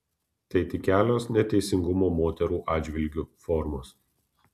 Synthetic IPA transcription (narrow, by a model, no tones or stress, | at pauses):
t̪ʲɐɪt̪ʲɪkʲæːlʲoːsnʲɛt̪ʲɛɪsʲɪŋɡʊmoːmoːt̪ʲɛɾuːʔɑːd͡ʒʲʋʲɪlʲɡʲuːfɔɾmoːs